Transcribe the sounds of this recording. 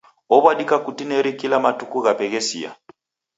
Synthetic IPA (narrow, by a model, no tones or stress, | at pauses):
ɔβwaɗikakutinɛɾikilamatukuɣapɛɣɛsḭa̰